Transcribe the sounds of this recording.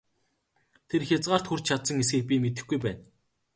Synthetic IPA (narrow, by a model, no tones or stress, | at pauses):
t̪ʰerxʲjat͡sʁaːr̥t̪xur̥ʲt͡ɕt͡ɕʰat̪sə̆ŋes̬ɡĭxpʲiːmet̪ɘ̆xɡujpæːn